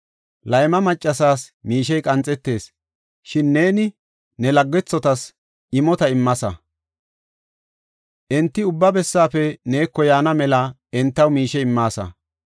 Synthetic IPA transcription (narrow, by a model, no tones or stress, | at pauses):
lɐjmɐmɐt͡ʃʼːɐsaːsmiːʃɛjkʼɐnt͡sʼːɛt̪ːe̞ːs | ʃɪnːe̞ːnɪ | nɛlɐɡːɛt͡sːɔt̪ɐs | ʔɪmɔt̪ɐɪmːɐsɐ̰ | ʔɛnt̪ːɪʊbːɐbɛsːaːfɛne̞ːkːɔjaːnɐmɛlɐ | ɛnt̪ːɐwmiːʃɛɪmːaːsɐ̰